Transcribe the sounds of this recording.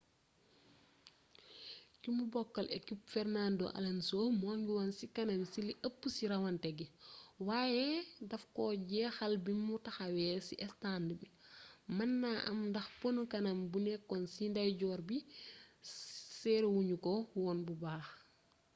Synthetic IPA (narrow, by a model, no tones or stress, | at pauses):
kimubɔkːɐlḛkipfɛrnando̰ʔa̰lansomɔːŋɡiwansikɐnɐmsiliʔɐpːusiɾawɐntɛɡiwaːjɛdɐfkɔɟɛːxalbimutaxawɛsḭʔɛstandibimɐnːaʔɐ̰mndɐxponukɐnambunɛkːɔnsindajɟɔːɾbi | sɛɾwuɲukɔwɔnbubaːx